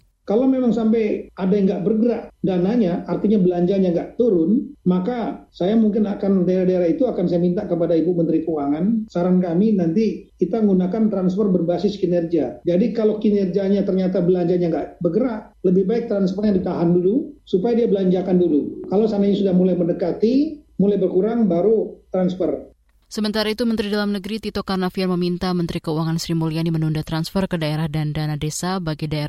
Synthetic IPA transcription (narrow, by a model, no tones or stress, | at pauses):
kalowmemaŋsampajadaŋɡaʔbərɡəɾaʔdanaɲaʔart̪iɲabəlaɲd͡ʒaɲaŋɡaʔt̪uɾʊnmakasajamuŋkɪnakandaiɾahdaiɾait̪uakansajamint̪aʔkəpadaibumənt̪ɾikəwaŋansaɾankaminant̪ikit̪aŋɡunakant̪ɾanspɔrbərbasɪskinɛrɡiad͡ʒadikalowkinɛrɡiaɲat̪ərɲat̪abəlaɲd͡ʒaɲaŋɡaʔbəɡəɾap̚ | ləbɪhbaɪk̚t̪ɾanspɔrɲaŋdit̪aɦandulusupajadiabəlaɲd͡ʒakandulukalawsanaiɲisudahmulajmənəkat̪imulajbərkuɾaŋbaɾut̪ɾanspər | səmənt̪aɾait̪umənt̪ɾidalamnəɡɾit̪it̪okarnafianməmint̪amənt̪ɾikəuwaŋansɾimoliainimənundat̪ɾanspərkədaeɾahdandanadesabaɡidae